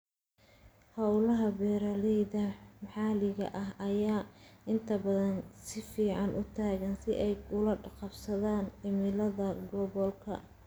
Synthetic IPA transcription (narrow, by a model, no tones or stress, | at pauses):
hɐwlɐɦɐbɛːɾɐlɛjðɐmħɑːlɪɣɐ̰ʔɐɦʔɐjaːɪnt̪ʰɐbɐðɐnsɪfiːʕɑnʔʊt̪ʰaːɣɐnsɪʔɛjkʊlɐɖɑqɑbsɐðaːnɪmɪlɐðɐɡɔβɔlkʰɐ̰